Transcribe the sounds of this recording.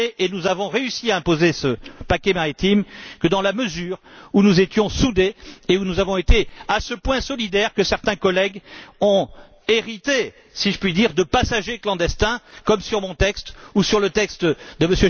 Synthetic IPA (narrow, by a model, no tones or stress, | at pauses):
eʔenuzavɔ̃ʁeysiaɛ̃pozesəpakʲɛmaʁit̪imkəd̪ɑ̃laməzyːʁunuzet̪jɔ̃sud̪eeunuzavɔ̃et̪easəpwɛ̃sɔlid̪ɛʁkəsɛʁt̪ɛ̃kɔlɛɡɔ̃ | eʁit̪e | siʒəpɥid̪iʁd̪əpasaʒeklɑ̃d̪ɛst̪ɛ̃kɔmsyʁmɔ̃t̪ɛkst̪usyʁlət̪ɛkst̪d̪əməsjø